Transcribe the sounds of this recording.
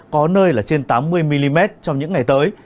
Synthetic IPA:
kɔ˨˦nəː˧jlaː˨˩t͡ɕe˧nt̪aː˨˦mːɨ˧əjmi˧li˧mɛ˦˥t̚t͡ɕɔ˧wŋ͡mɲɨ̰˧˥ŋːa˨˩jt̪əː˨˦j

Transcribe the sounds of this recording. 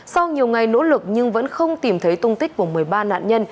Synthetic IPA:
sa˧wɲi˨˩əwŋa˨˩jno̰˧˥lɨ˨˩k̚ɲɨ˧ŋvə̰˧˥nxə˧wŋ͡mt̪i˨˩mt̪ʰə˨˦jt̪ʊ˧ŋ͡mt̪ï˦˥k̟̚ku˧˩əmɨ˨˩əjɓaː˧na̰ː˧˨nɲə˧n

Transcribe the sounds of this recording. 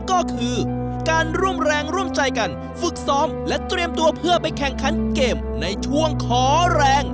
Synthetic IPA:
kɔː˥˩kʰɯː˧kaː˧nɾu˥˩əmɾɛː˧ŋɾu˥˩əmt͡ɕa˧jka˧n | fɯ˨˩k̚sɔː˦˥mlɛ˦˥t̪ɾi˧əmt̪u˧ɐpʰɯ˥˩əpa˧jkʰɛ˨˩ŋkʰa˨˦˥nkeː˨˩m | na˧jt͡ɕʰu˥˩əŋkʰɔː˩˦ɾɛː˧ŋ

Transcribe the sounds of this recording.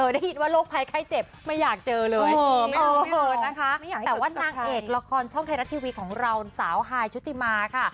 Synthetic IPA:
ʔɤː˧˩daː˥˩ji˨˦nwaː˥˩loː˥˩k̚pʰa˧jkʰaː˥˩jt͡ɕe˨˩p̚ma˥˩jːaː˨˩k̚t͡ɕɤː˧lɤː˧jːɤː˧˩˧na˦˥kʰa˦˥ʔ̪ɛː˨˩waː˥˩naː˧ŋʔeː˧˨˩k̚la˧kʰɔː˧nt͡ɕʰɔ˥˩ŋt̪ʰa˧ɾa˦˥t̪ʰːiː˧wi˦˥kʰːɔː˩˦ŋɾa˧wsaː˩˦wɦaː˧jt͡ɕʰu˦˥t̪ʰːi˧˨maː˧kʰa˥˩

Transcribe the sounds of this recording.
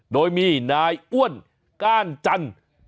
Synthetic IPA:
doː˧jmiː˧naː˧jʔu˥˩ən | kaː˥˩nt͡ɕa˧n

